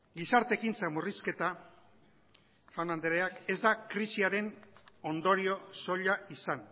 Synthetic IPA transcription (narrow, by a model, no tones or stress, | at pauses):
ɡisaɾt̪e̞kint͡samuriske̞t̪a | fanand̪eɾeake̞zd̪akɾisiaɾe̞no̞nd̪o̞ɾio̞so̞ʎaisan